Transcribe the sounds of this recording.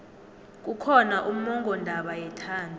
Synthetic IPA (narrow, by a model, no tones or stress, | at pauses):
k̬ʼukʰɔnaʔum̩mɔŋɡʱɔndʱaɓajɛtʰaːndʱu